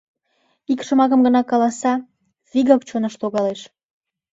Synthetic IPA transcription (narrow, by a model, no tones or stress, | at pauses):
ikʃə̆mɑkəmɡənɑkɑlɑsɑ | viɣɑkt͡ɕonəʃloɣɑleʃ